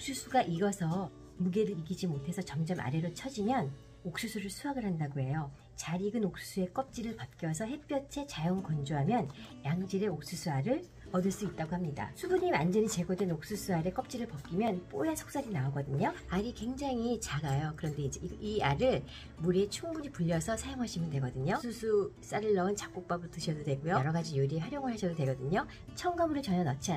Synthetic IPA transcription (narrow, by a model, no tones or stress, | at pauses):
ok̚s͈ʰusʰuɡaʔiɡʌsʰʌ | muɡe̞ɾɯɾiɡid͡ʑimotʰe̞sʰʌt͡ɕʌmd͡ʑʌmʔa̰ɾe̞ɾot͡ɕʰʌd͡ʑimjʌn | ok̚s͈usʰuɾɯɭsʰuaɡɯɭɦandaɡoe̞jo | t͡ɕaɾiɡɯnok̚s͈u̥s͈ʰue̞k͈ʌp̚t͡ɕ͈iɾɯɭpat̚k͈jʌs̬ʰʌɦe̞p͈jʌt͡ɕʰe̞t͡ɕajʌŋkʌnd͡ʑoɦamjʌnjaŋd͡ʑiɾe̞ok̚s͈usʰuaɾɯɭ | ʌdɯɭs͈uit̚t͈aɡohamɲida̰sʰubuɲimand͡ʑʌɲit͡ɕe̞ɡʌdwe̞nok̚s͈usʰuaɾe̞k͈ʌp̚t͡ɕ͈iɾɯɭpʌk͈imjʌnp͈ojasʰʌ̥k̚s͈aɾinaoɡʌdɯɲoaɾikwe̞ŋd͡ʑaŋit͡ɕaɡajokɯɾʌnde̞ind͡ʑeiiaɾɯɭ | muɾet͡ɕʰuŋbuɲipuʎːʌsʰʌsʰajoŋɦaɕʰimɯntwe̞ɡʌdɯɲosʰusʰus͈aɾɯɭːʌɯnt͡ɕap̚k͈ok̚p͈abɯɭtɯɕʰʌdodwe̞ɡujoʌɾʌɡad͡ʑijuɾieɸʰwaɾjoŋɯɭhaɕʰʌdodwe̞ɡʌdɯɲo | t͡ɕʰʌŋɡamuɾɯɭt͡ɕʌnʌnʌt͡ɕʰia